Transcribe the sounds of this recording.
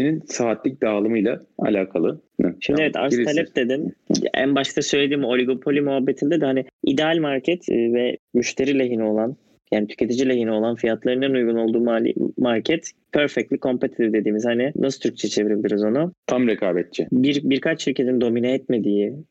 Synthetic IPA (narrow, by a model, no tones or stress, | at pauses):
eninsaːt̪lʲic̚d̪aːlˠɯmɯjlˠaa̰lʲaːkʰalˠɯʃimd̪ievɛt̪ʰa̰alʲɛp̚d̪ed̪inæ̰nbaʃkt̪ʰasø̞jlʲe̞d̪iːmo̞lʲiɡo̞pʰo̞lʲimuɦabːet̪ʰinʲd̪ed̪hanɪid̪ealʲmaɾcʰɛt̪ʰːvɛmyʃt̪ʰe̞ɾiːlʲeɦinio̞lˠan | jaːnit̪ʰy̥cʰe̞t̪ʰid͡ʒilʲeɦinio̞lˠanfijat̪lˠaɾɯnɛnujɡuno̞lˠd̪uːmalʲḭmaɾcʰɛt̪ | pʰøɾfɛc̚t̪lʲikʰo̞mpʰet̪ʰi̥d̪id̪e̞d̪iːmiz̥hanɪnasɯt̪ʰyɾc̚t͡ʃʰɛt͡ʃʰe̞viɾibʲd̪iɾizo̞nʊt̪ʰamɾɛkʰaːbɛt̪̚t͡ʃʰɪbiɾbiɾkʰat͡ʃsylʲcʰe̞t̪ind̪o̞mineɛt̪me̞d̪ijɪ